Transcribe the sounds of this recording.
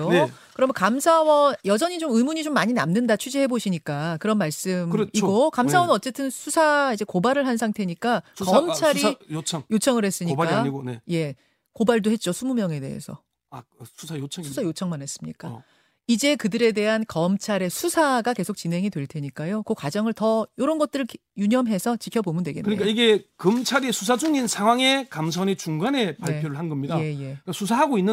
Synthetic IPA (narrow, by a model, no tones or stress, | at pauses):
jokɯɾʌmkamsʰawʌnjʌd͡ʑʌɲit͡ɕomɯmuɲit͡ɕomːaɲinamnɯndat͡ɕʰud͡ʑihe̞boɕʰiɲik͈akɯɾʌnmaɭs͈ɯmiɡokams̬ʰawʌnnʌt͡ɕ͈e̞tʰɯnsʰusʰaid͡ʑe̞kobaɾɯɭɦansʰaŋtʰe̞ɲik͈akʌmt͡ɕʰaɾiŋjot͡ɕʰʌŋɯɾɦe̞s͈ɯɲiaje̞ | kobaɭdohe̞t̚t͡ɕ͈osʰumumjʌŋe̞de̞̰ɦḛsʰʌ̰ | asʰusʰajot͡ɕʰʌsʰusʰajot͡ɕʰʌŋmanɦe̞s͈ɯmɲḭk͈a | id͡ʑekɯdɯɾe̞de̞ɦankʌmt͡ɕʰaɾe̞sʰusʰaɡake̞sʰok̚t͡ɕinɦe̞ŋidwe̞ɭtʰe̞ɲik͈ajokokwad͡ʑʌŋɯɭtʌjoɾʌnɡʌt̚t͈ɯɾɯɭkjuɲʌmɦe̞sʰʌt͡ɕikʰjʌbomɯndwe̞ɡḛnkɯɲik͈aiɡe̞kɯmt͡ɕʰaɾisʰusʰad͡ʑuŋinsʰaŋɦwaŋe̞kams̬ʰʌɲit͡ɕuŋɡane̞paɭepʰjoɾɯɭhanɡʌmɲidae̞je̞kasʰusʰaɦaɡoinːɯ